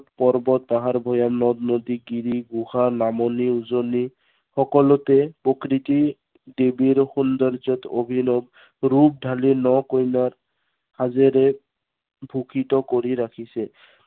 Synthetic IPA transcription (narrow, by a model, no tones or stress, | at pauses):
tpɔɹbɔt̪̚baɦaɹbʱɔjamnɔd̪nod̪iɡiɾiɡuxanamɔniuzoni | xɔkɔlɔtɛpɹokɾit̪i | debiɹxund̪ɔɹzɔt̪obʱinɔb | ɾup̚dʱalinɔkojnaɹ | hazeɾɛ | bʱukʰit̪ɔkoɹiɾakʰisɛ